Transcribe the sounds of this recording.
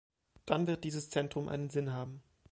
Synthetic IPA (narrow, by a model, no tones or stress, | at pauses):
d̥anvɪɐt̚d̥iːzəst͡sɛntʁ̥ʊmʔa̰ɪnənzɪnɦaːbm̩